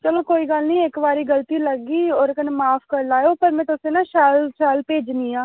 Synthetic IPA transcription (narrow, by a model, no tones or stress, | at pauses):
t͡ʃəloːkoːiːɡəlnĩːekbaːɾiːɡəlt̪iːləɡiːɔːɾkənemaːpʰkəɾlaːjoːpəɾmɛ̃ːt̪ʊsẽːnãːʃɛːlʃɛːlpeːd͡ʒniːãː